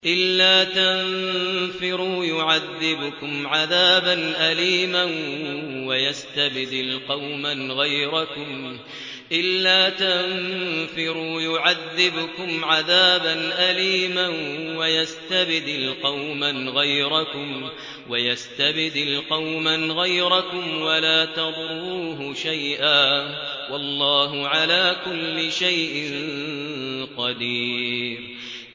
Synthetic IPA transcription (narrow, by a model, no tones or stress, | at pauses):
ʔɪlːaːt̪annfɪɾuːjʊʕaðːɪbʊkʊmʕaðaːbanʔaliːmanwajast̪abɪd̪ɪlqɑwmanɣajɾakʊm | ʔɪlːaːt̪anfɪɾuːjʊʕaðːɪbʊkʊmʕaðaːbanʔaliːmanwajast̪abɪd̪ɪlqɑwmanɣajɾakʊm | wajast̪abɪd̪ɪlqɑwmanɣajɾakʊmwalaːt̪ɑd̪ˤɾuːɦʊʃajʔaː | wɑlˤːɑːɦʊʕalaːkʊlːɪʃajʔɪn | qɑd̪iːɾ